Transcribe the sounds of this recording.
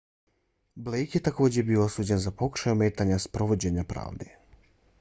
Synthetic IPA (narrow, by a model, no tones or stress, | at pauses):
blejkje̞t̪ako̞ːd͡ʑebiːoo̞suːd͡ʑenzapo̞ku̥ʃajumeːt̪aɲaspɾo̞ʋo̞d͡ʑeɲapɾa̰ːʋd̪e